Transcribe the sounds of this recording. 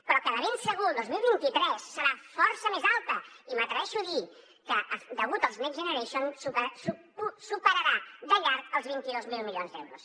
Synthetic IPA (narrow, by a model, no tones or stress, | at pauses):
pɾɔkəðəβensəɣuðozmilˠβint̪it̪ɾɛsːəɾafɔɾsəmezalˠt̪əimət̪ɾəɛʃuði | kəʔəd̪əɣ̞ut̪əlˠznekzʒənəɾeʃonsupsu | usupəɾəɾad̪əʎaɾkəlˠzβint̪iðozmilˠmiljonzd̪ɛwɾus